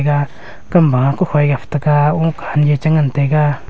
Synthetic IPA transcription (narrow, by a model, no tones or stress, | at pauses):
ka | kambãkuhʷajɡaft̪akaũːkanjet͡ʃaŋant̪eka